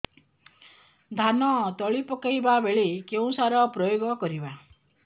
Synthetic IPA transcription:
d̪ʱanɔt̪ɔɭipɔkajbabeɭikeũsaɾɔpɾɔjoɡɔkɔɾiba

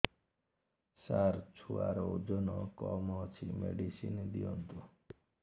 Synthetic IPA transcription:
saɾt͡ʃʰuaɾɔud͡ʒɔnɔkɔmɔt͡ʃʰimeɖisind̪iɔnt̪u

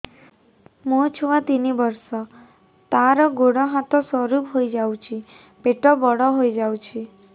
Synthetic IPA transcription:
mũt͡ʃʰuat̪inibɔɾsɔ | t̪aɾɔɡoɽɔɦat̪ɔswɔɾupɦojd͡ʒawt͡ʃʰi | peʈɔbɔɽɔɦojd͡ʒawt͡ʃʰi

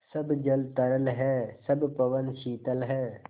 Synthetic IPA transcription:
sɐbd͡ʒɐlt̪ɐɾəlɦɛːsɐbpɐʋənʃiːt̪əlɦɛː

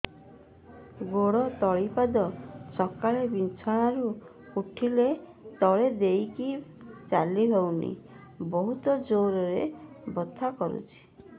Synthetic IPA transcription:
ɡoɽɔt̪ɔɭipad̪ɔsɔkaɭebint͡ʃʰɔɽ̃aɾu | uʈʰile | t̪ɔɭed̪ejkit͡ʃaliɦewnḭ | bɔɦut̪ɔd͡ʒoɾɔɾebɔt̪ʰakɔɾṵt͡ʃʰi̥

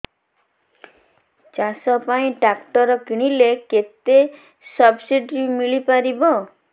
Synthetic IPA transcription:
t͡ʃasɔpaĩʈakʈɔɾɔkiɽ̃ileket̪e | sɔbsiɖɾimiɭipaɾibɔ

